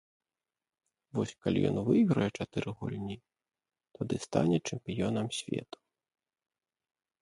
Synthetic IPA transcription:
vɔsʲkalʲḭjɔ̰nvɨɣɾɐjɛt͡ʂat̪ɨɾɨɣɔ̰lʲnʲi | t̪ɔd̪ɨst̪a̰nʲɛt͡ʂɛmpʲijɔnɐmsʲvʲɛ̰t̪u̥

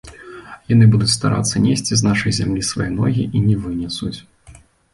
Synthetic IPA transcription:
janɨbud̪ut͡sʲst̪aɾa̰t̪sːɐnʲesʲt͡sʲiznaʂɐjzʲamlʲisvajɛnɔ̰ɣʲiʔinʲɛvɨnʲɛsut͡sʲ

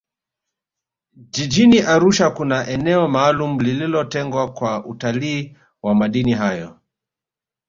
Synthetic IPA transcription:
d͡ʒid͡ʒiniʔaɾuʃakunaʔɛnɛɔmaːlum̩lililɔtɛŋɡwakwaʔutaliː | wamaɗiniɦajɔ

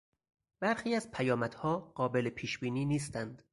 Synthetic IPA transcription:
b̥æɾxiːæzpʰæjɒːmæd̪̥hɒːɢ̥ɒːbe̞lepʰiːʃbiːniːniːs̬t̪ænd̪̥

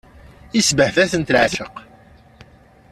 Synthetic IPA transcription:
isbəhθæθənt̪lʕʃəq

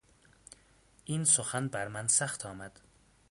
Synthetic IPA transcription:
ʔinsoxænbæɾmænsæxt̪ʰɒːmæd̪̥

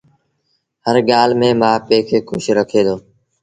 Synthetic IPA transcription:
həɾɠaːlmẽːmãːpeːkʰeːkʰʊ̰ʃɾəkʰeːd̪oː

